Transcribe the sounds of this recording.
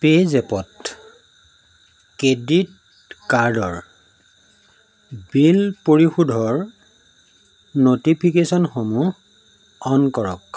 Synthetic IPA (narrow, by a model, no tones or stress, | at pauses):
pezɛpɔt | kedit̚ | kaɹdɔɹ | bilpoɹixudʱɔɹ | notipʰikesɔnxomu | ɔnkɔɹɔ̰k